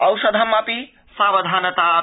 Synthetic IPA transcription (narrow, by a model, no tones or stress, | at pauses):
ɐwsɐd̪ʱɐmːɐpi | saːbɐd̪ʱanɐt̪a